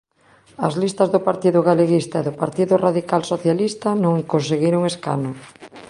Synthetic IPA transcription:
ɐzlist̪ɐzðʊpaɾt̪iðʊɣaleɣist̪aeðʊpaɾt̪iðʊraðikalsoθjalist̪anõŋkonseɣiɾʊŋeska̰nʊ

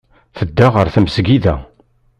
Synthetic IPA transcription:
θəd̪ːaʁəɾθəmsɡiðæ̰

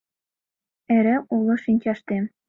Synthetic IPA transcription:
ɘ̆ɾɘ̆ʔulˠɤ̆ʃinʲt͡ɕɑʃt̪e

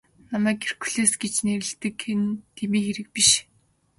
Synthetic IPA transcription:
namæːker̥ku̥ɮeːsɡet͡ɕneɾɘ̆ɮt̪ɘ̆kxent̪ʰemiːkxeɾɘ̆k̚piʃ

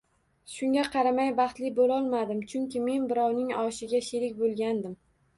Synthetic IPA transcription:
ʃʊŋɡʲaqʰɑɾamajbɑχt̪lɪbolɒlˠmad̪ɪmt͡ʃʰʊŋkʲɪme̞nbɪɾɒwnɪŋɒʃɪɡʲaʃɪɾɪkʲbolˠɡʲand̪ɪm

